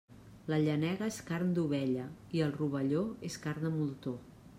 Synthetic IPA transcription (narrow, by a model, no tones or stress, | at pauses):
ləʎənɛɣəeskaɾnd̪uβɛʎəiəlˠruβ̞əʎoeskaɾnəmulˠt̪o